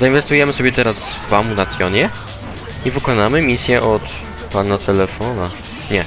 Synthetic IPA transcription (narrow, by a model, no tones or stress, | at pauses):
zainvɛst̪ujɛmɘsɔbʲjɛt̪ɛɾasvamunat̪sʲjɔɲɛ | ivɘkɔnamɘmʲisʲjɛʔɔt̪ | panat̪ɛlɛfɔna | ɲɛ